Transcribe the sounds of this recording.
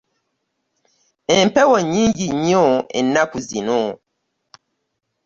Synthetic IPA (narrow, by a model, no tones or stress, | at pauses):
ɛmpɛwɔɲiŋɡiɲiɔɛ̰nakuzinɔ